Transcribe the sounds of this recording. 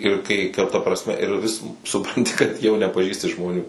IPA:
ɪr ˈkɐɪ kɐr tɐ ˈprɑːsʲmʲɛ ɪr ʋʲɪs sʊˈprɐnʲtʲɪ kɐt jɛʊ nʲɛpɐˈʒʲiːsʲtʲɪ ʒmoːˈnʲuː

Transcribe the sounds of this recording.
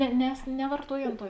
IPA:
nʲɛ nʲɛs nʲɛʋɐrˈtuɔj ˈɐn ˈtuɔ

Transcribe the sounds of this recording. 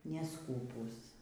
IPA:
nʲɛˈskuːpuːs

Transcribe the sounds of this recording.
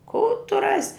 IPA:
kuː tʊ ˈrɑːsʲɪ

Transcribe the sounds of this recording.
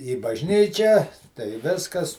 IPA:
iː bɐʒʲˈnʲiːt͡ʃʲæː tɐɪ ˈʋʲɪskɐs

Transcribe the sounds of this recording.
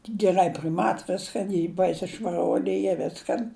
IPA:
ɡʲɛˈrɐɪ pʲrʲɪˈmɐt ˈʋʲɪskɐn ɪ ˈbɐɪsʲɪ ʃʋɐˈruɔlʲɪ ˈiː ˈʋʲɪskɐn

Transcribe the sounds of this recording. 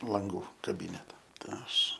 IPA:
lˠɐŋˈɡuː kɐˈbʲiːnʲɛtɐ tɐɪ ˈɐʃ

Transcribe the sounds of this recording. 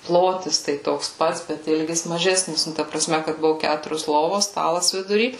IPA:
ˈplˠoːtʲɪs tɐɪ ˈtoːks ˈpɐts bʲɛt ˈɪlʲɡʲɪs mɐˈʒʲæːsʲnʲɪs ˈnʊ tɐ prɐˈsʲmʲɛ kɐt ˈbʊʋʊ ˈkʲætʊrʲoːs ˈlˠoːʋoːs ˈstɑːlˠɐs ʋʲɪdʊˈrʲiː

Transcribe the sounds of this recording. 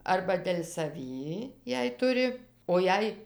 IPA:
ɐrbɐ dʲɛlʲ sɐˈʋʲiː jɛɪ ˈtʊrʲɪ oː ˈjɛɪ

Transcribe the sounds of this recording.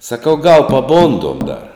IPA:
sɐˈkɐʊ ɡɐlˠ pɐˈboːndoːm dɐr

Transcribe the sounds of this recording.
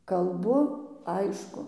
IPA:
kɐlˠˈbʊ ˈɐɪʃkʊ

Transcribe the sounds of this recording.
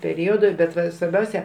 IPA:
pʲɛˈrʲoːdʊ ˈbʲɛt ˈʋɐ sʋɐrʲˈbʲɛʊsʲɛ

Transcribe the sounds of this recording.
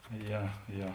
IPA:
ˈjɛ ˈjɛ

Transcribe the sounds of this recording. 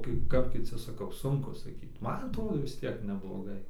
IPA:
ˈkɐɪp ˈkɐp kʲɪˈt͡sʲɪ sɐˈkɐʊ ˈsʊŋkʊ sɐˈkʲiːt ˈmɐn ɐtˈroːdoː ʋʲɪs ˈtʲiɛk nʲɛblˠoːˈɡɐɪ

